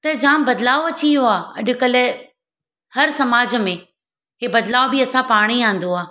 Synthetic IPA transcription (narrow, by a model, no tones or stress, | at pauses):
t̪ɐd͡ʑãːmbɐd̪laːoɐt͡ɕijoaːɐɗʊ̆kɐl | hɐɾsɐmaːd͡ʑəmẽ | ɦeːbɐd̪laːobɪɐsãpaːɽ̃iãːn̆d̪oaː